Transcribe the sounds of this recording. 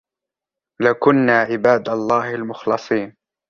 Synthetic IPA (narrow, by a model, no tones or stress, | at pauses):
lakʊnːaːʕɪbaːd̪ɑlˤːɑːhalmʊxlɑsˤiːn